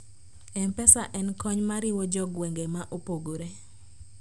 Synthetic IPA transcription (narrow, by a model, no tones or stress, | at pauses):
ɛmpɛsaʔɛnkɔɲmaɾɪwɔd͡ʒɔɡwɛŋɡemaʔopoɡoɾe